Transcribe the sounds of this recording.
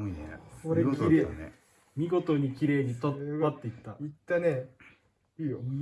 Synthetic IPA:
inḛoɾeiɾḛ | mʲiɡo̞t̪o̞ɲ̟ikʲiɾe̞ːɲ̟it̪oat̪ːe̞it̪ːait̪ːane | ijo

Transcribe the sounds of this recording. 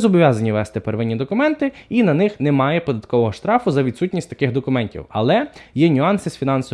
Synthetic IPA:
zɔbɔʋʲjazɐnʲiʋɛst̪ɪpeɾʋɪnʲːid̪ɔkʊmɛnt̪ɪinɐnɪxnɛmɑjɛpɔd̪ɐt̪̚kɔʋɔɦɔʃt̪ɾɑfʊzɐʋʲid̪sutʲnʲisʲtʲt̪ɐ̥kɪxd̪ɔkʊmɛnʲtʲḭwɐ̰lˠɛjɛnʲʊɑnsɪsfʲinɑnsɔ

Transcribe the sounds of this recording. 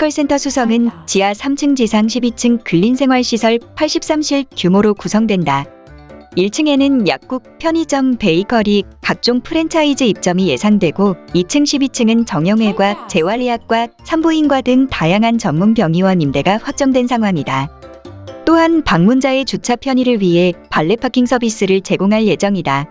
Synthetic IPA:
kʰʌɭs͈e̞ntʰʌsʰusʰʌŋɯnt͡ɕiasʰamt͡ɕʰɯŋd͡ʑisʰaŋɕʰibit͡ɕʰɯŋkɯʎːinsʰe̞ŋɦwaɭɕʰisʰʌɭpʰaɭɕ͈ip̚s͈amɕʰiɭkjumoɾokusʰʌŋdwe̞nda | iɭt͡ɕʰɯŋe̞nɯnja̰k̚k͈uk̚pʰjʌɲid͡ʑʌmpe̞ikʰʌɾikak̚t͡ɕ͈oŋpʰɯɾe̞ntʰaid͡ʑɯip̚t͡ɕ͈ʌmije̞sʰaŋdwe̞ɡoit͡ɕʰɯŋɕʰibit͡ɕʰɯŋɯnt͡ɕʌŋjʌŋwe̞ɡwat͡ɕe̞waɭːiɦak̚k͈wasʰambuinɡwadɯŋtajaŋɦant͡ɕʌŋmunbjʌŋiwanimde̞ɡaɸwak̚t͡ɕ͈ʌŋdwe̞nsʰaŋɦwaŋida | t͈oɦanpaŋmund͡ʑae̞t͡ɕut͡ɕʰapʰjʌɲiɾɯɭɥiɦe̞paɭːe̞pʰakʰiŋsʰʌbis͈ɯɾɯɭt͡ɕe̞ɡoŋɦaɭje̞d͡ʑʌŋida

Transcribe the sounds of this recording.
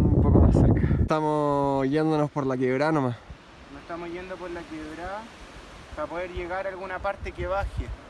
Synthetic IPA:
umpoko̰ma̰seɾkat̪amoʝend̪onospoɾlak̬eβɾanomas | nosest̪amoʝend̪opoɾlakeβɾa | papoðeɾʝeɣaɾalɣunapaɾt̪ekeβaxe

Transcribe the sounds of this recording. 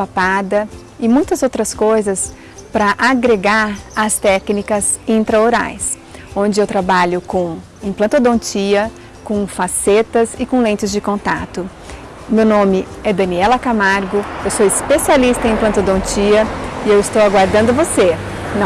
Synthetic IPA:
apad̪ɐ | ɪmũj̃t̪ɐzowt̪ɾɐskojzɐs | pɾɐʔaɡɾeɡaɾɐst̪ɛknikɐzĩnt̪ɾɐoɾa̰js | õnd͡ʒɪewt̪ɾabaʎʊkõ | ĩplɐ̃t̪od̪õnt͡ʃiɐ | kõfaset̪ɐzɪkõlẽnt͡ʃɪzd͡ʒɪkõnt̪a̰t̪ʊ | mewnõmɪɛd̪ɐ̃niɛlɐkamaɾɡʊewsowɪspesialist̪ɐẽplɐ̃nt̪od̪õnt͡ʃiɐɪewɪst̪owaɡwaɾd̪ɐ̃nd̪ʊvose | nɐ̃

